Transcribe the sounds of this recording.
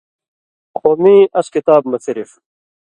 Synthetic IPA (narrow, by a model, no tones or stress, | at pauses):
xoniːʔɐɕkit̪aːb̚mɐt͡siɾif